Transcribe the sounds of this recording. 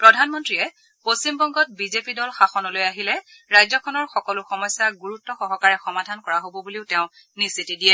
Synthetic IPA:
pɹɔdʱanmɔntɹiɛ | postimbɔŋɡɔt̚bizepidɔlxaxɔnɔlojaɦilɛ | ɹajzɔkʰɔnɔɹxɔkɔlʊxɔmɔjsaɡuɹutːɔxɔɦɔkaɹɛxɔmadʱankɔɹaɦobɔbuliʊteʊ̃ | nisitidijɛ

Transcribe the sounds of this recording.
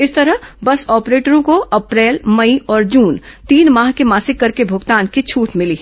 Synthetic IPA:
ɪst̪ɐɾəɦbɐsɔːpɾeːʈəɾõkoʔɐpɾɛːlmɐiʔɔːɾd͡ʒuːnt̪iːnmaːɦkemaːsɪkːɐɾkebʱʊɡt̪aːnkit͡ʃʰuːʈmɪli

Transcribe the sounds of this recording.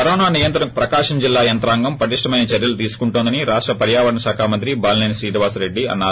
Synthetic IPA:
pɐɾɔːnaːnijɐnt̪ɐpɾɐkaːʂɐɲd͡ʒilːaːjɐnt̪ɾaːŋɡɐmpɐʈiʂʈɐmɐjnɐt͡ʃɐɾjɐlut̪̬iːsu̥kuɳʈond̪ɐniɾaːʂʈɾɐpɐɾjaːʋɐɾɐɳɐʃaːkʰaːmɐnt̪ɾibaːlneːnsɾiːʈɐʋaːsɾe̞ɖːiɐ̰nːaː

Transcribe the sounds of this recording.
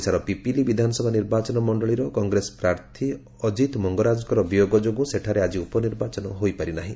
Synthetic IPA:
saɾɔpipilibid̪ʱanɔsɔbʱaniɾbat͡ʃɔnɔmɔɳɖɔɭiɾɔkɔŋɡɾesɔ̥pɾaɾt̪ʰi | ɔd͡ʒit̪mɔŋɡɔɾad͡ʒɔkɔɾɔbijoɡɔd͡ʒoɡũseʈʰaɾead͡ʒiupɔniɾbat͡ʃɔnɔɦojpaɾinaɦĩ

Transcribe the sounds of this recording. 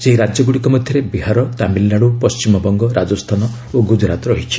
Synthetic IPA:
seɦiɾad͡ʒjɔɡuɽikɔmɔd̪ʱjɔɾebiɦaɾɔt̪amilːaɽupɔst͡ʃimɔbɔŋɡɔɾʔad͡ʒɔst̪ʰanɔ | oɡud͡ʒɾat̪ɔɾɔɦit͡ʃʰi̥

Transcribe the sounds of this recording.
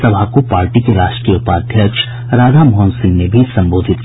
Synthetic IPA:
sɐbʱakopaːɾʈikeɾaːʃʈʈɾijəʊpaːd̪ʱjəkʃ | ɾaːd̪ʱamɦɔ̃ːnsɪ̃ŋɡnebʱisɐ̃mboːd̪ʱɪt̪

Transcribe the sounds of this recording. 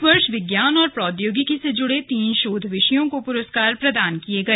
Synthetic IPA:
ʋɐɾʃʋɪɡjaːnɔːɾpɾɔːd̪joːɡikised͡ʒʊɽet̪iːnʃoːd̪ʱʋɪʃəjõkopʊɾəskaːɾpɾɐd̪aːnkieɡɐeː

